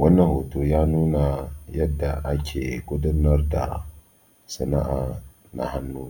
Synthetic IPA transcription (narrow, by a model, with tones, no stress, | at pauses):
wa˦nːa˦ho˨to˨jaː˦nuː˦na˨jɛ˦dːa˨ʔa˨kʲʰe˨ɡʊ˦dɨ˦ɾna˦ɾda̰˨ | sɨ˨na̰˦ʔa˨ | na̰˨ha˦nːu˦